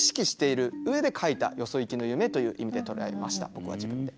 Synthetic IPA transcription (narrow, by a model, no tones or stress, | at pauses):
ɕi̥kʲiɕi̥t̪e̞iɾɯ̟ɯ̟e̞d̪e̞kʰait̪a̰jo̞so̞ikʲino̞jɯ̟me̞t̪o̞jɯ̟ːʔimʲid̪e̞t̪o̞ɾea̰emaɕi̥t̪a̰b̥o̞kɯ̟βa̰d͡ʑibɯ̟̃nd̪e